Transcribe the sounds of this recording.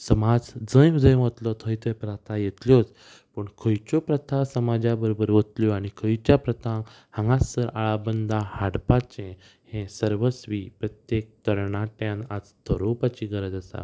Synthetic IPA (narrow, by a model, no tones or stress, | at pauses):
səmad͡zd͡zə̃jʋud̪əjʋət̪lɔt̪ʰəjt̪ʰəjpɾat̪ʰajet̪ljɔt͡s | pəɳkʰəjt͡ɕɔpɾət̪ʰasəmad͡ʑabəɾobəɾʋət̪ljɔaɽ̃ikʰəjt͡ɕjapɾət̪ʰã | hãŋɡasːəɾaɭabənd̪ahaɽpat͡ɕẽ | hɛ̃səɾʋəsʋipɾət̪jek̚t̪əɾɳaʈjãnad͡zt̪ʰəɾopat͡ɕiɡəɾəd͡z̪əsa̰